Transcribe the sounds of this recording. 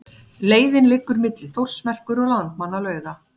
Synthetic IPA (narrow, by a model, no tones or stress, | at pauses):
leːjðɪnlɪkːʏɾmɪt̪lɪθowr̥smɛr̥kʏɾɔɣlant̪manːalœːɥða